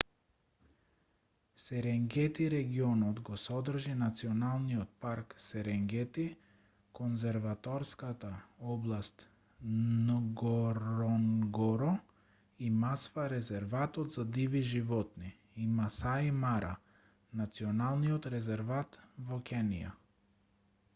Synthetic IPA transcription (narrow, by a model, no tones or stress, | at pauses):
sɛɾɛŋɡɛt̪iɾɛɡiɔnɔt̪ɡɔsɔd̪r̩ʒinat̪siɔnalˠniɔt̪̚paɾksɛɾɛŋɡɛt̪i | kɔnzɛɾvat̪ɔɾskat̪aɔblˠast̪ | nɡɔɾɔnɡɔɾɔ | imasvaɾɛzɛɾvat̪ɔt̪zad̪iviʒivɔt̪ni | imasaimaɾa̰ | nat̪siɔnalˠniɔt̪ɾɛzɛɾvat̪vɔkʲʰɛnḭja̰